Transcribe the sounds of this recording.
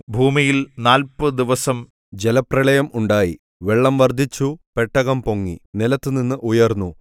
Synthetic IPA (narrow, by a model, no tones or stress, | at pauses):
bʱuːmijilnaːlpɨd̪iʋɐsɐm | d͡ʑelɐprɐɭɐjɐmʔuɳɖaːji | ʋeɭːɐmʋɐrd̪ʱit͡ɕːupe̞ʈːɐɣɐmpo̞ŋːḭnilɐt̪ːɨninːɨʔujɐrnːu